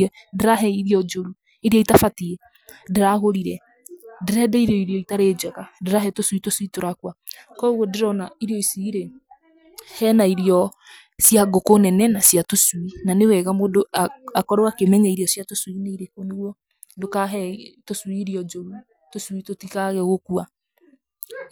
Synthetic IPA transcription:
ɛdeɾaɦɛiɾiɔd͡ʒoɾu | eɾiɔitafatiɛ | deɾaɣoɾiɾɛ | deɾɛdɛiɾɔiɾiɔitaɾed͡ʒɛɣadeɾaɦɛtoswitoswitoɾakwakɔɣɔdeɾɔnaiɾiɔisiiɾe | hɛnaiɾiɔ | sjaɡokonɛnɛnasjatoswinanewɛɣamodoaakɔɾoakemɛɲɛiɾiɔsjatoswineiɾekwɔneɣwɔ | dokaɦɛtoswiːɾiɔd͡ʒɔi | toswitotikaɣɛɣokua

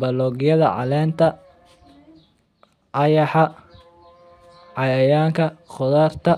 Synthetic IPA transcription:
bɐlɔɣjɐðɐ̰ʕɑ̰lɛːnt̪ʰɐ | ʔɑjɑħɑ | ʕɑjɐjaːŋkʰɐχɔðaːrt̪ʰɐ

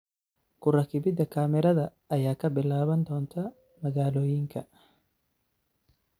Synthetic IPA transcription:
kʰʊrɐkɪbɪd̪ɐkʰaːmɪɾɐðɐːjaːkʰɐbɪlaːβɐnd̪ɔːnt̪ʰɐ | mɐɣaːloːjɪŋkʰɐ

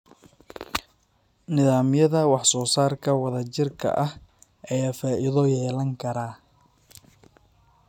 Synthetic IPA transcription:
nɪðaːmjɐðɐwɑħsɔːsaːrkʰɐwɑðɐt͡ʃɪrkʰɐ̰ʔɐh | ʔɛjaːfaːʔiðɔjɛːlɐŋkʰɐɾaː

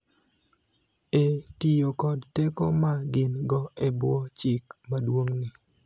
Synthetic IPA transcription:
etijokɔdtekomaɡɪnɡɔɛbwɔt͡ʃɪkmadwoŋnɪ

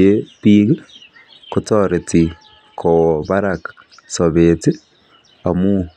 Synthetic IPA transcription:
epiɡ | kotoɾeti | kʰoβaɾak | soβeti | amu

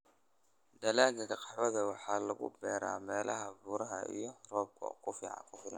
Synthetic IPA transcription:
d̪ɐlaːɡɐkɐqʼɑʕɔðɐwɑħaːlɐɣʊ̰bɛːɾa̰ːmɛːlɐɦɐbuɾɐɦɐ̰ḭjɔrɔːb̚kʰɔ̰kʰʊfɪʕɑ̰kʊfɪnɐ̰

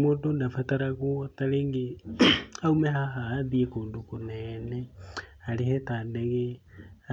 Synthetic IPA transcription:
modonafataɾaɣuotaleŋɡi | aumehaɦaðiekuːndukunenealihetaːndeɣe

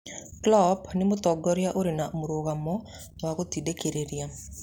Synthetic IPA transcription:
klɔpʰnimut̪ɔɡɔɾijaʔoɾinaʔmuɾoːɡamːɔ | akot̪iɖekeɾeɾija

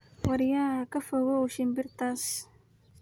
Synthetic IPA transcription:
wɑɾjaːkʰɐfɔɣɔʊʃɪmbɪrt̪ʰaːs

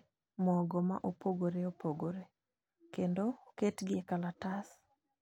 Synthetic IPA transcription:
mɔɡɔma̰ʔopoɡoɾeopoɡoɾe | kendoketɡɪekalatas

